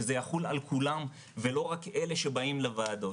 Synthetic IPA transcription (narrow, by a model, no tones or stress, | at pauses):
ezejaχula̰lkulam | velo̞ʁakeleʃebaimlevaːd̪o̞